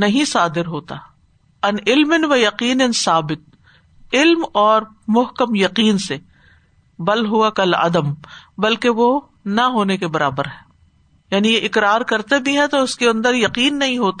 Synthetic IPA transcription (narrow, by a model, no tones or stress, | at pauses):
nɐɦĩsaːd̪ɪɾɦoːt̪a | ɐnɪlmɪnʋɐjɐqiːnɪnsaːbɪt̪̚ | ɪlmɔːɾ | mʊɦkəmjɐqiːnse | bɐlɦʊakɐlɐ̰d̪əmbɐlkeʋo | nɐɦoːnekebɐɾa̰ːbəɾɦɛː | jaːnijeʔɪkɾaːɾkɐɾt̪ebʱiɦɛ̃t̪oʊskeɐ̃nd̪əɾjɐqiːnːɐɦĩɦoːt̪a